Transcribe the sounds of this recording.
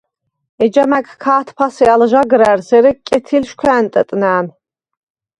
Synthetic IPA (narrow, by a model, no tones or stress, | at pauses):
ɛd͡ʒamækʰkʰaːt̪ʰpʰasialʒaɡɾæɾzɛɾikʼɛt̪ʰilʃkʷʰɛːnt̪ʼət̪ʼnæːn